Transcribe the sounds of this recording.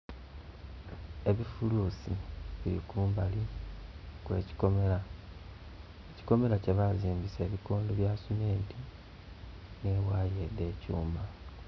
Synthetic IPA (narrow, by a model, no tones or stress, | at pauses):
e̞βifuluːsḭβiḭkuːmbali | kwḛcioa | eci̥ko̞me̞ɾaceβaziːmbise̞ːβikoːndoβjasumeːnti | ne̞ːwaːje̞d̪ːe̞ːcuːmba